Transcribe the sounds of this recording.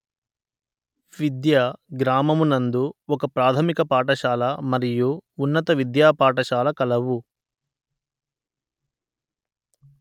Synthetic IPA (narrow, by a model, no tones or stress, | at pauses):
ʋid̪jaɡɾaːmɐmunɐnd̪uɔkɐpɾaːt̪ʰɐmikɐpaːʈɐʃaːlɐmɐɾijuːnːɐt̪ɐʋid̪jaːpaːʈɐʃaːlɐkɐlɐʋu